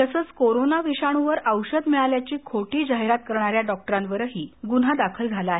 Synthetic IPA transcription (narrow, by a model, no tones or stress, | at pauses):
t̪əsəːt͡skoɾonaʋiɕaɽ̃uʋəɾəwɕəd̪mɛɭaljat͡ɕiːkʰoʈiːd͡ʑaɦeɾat̪̚kəɾɳaɾjaɖɔk̚ʈəɾãnʋəɾɦiːɡunɦad̪akʰəld͡zʱalaːɦe